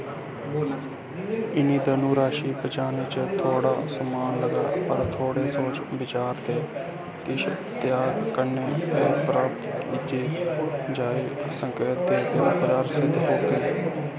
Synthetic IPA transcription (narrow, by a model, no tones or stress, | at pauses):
ɪniːd̪aːnũːɾaːʃiːbəd͡ʒaːnɪt͡ʃt̪ʰoːɽa̰ːsəmaːnləɡa̰ːpəɾt̪ʰoːɽeːsoːt͡ʃbɪt͡ʃaːɾt̪eː | k̪ɪʃ | t̪jaːɡkəɾneːt̪eːpɾaːp̚t̪kiːt̪eːd͡ʒaːeːsəŋkeːt̪̚d̪eːd̪eːbəd͡ʒaːɾsɪd̪ʱɦoːkeː